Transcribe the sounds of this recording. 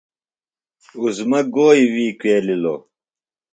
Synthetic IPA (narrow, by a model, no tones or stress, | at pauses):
uzmɐɡoːiwiːkweːlilo̰ː